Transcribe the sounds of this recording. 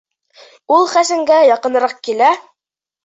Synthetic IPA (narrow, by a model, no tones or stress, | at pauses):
ulˠχæsɘ̆ŋɡæjɑqɤ̆nɤ̆ɾɑq̚kilæ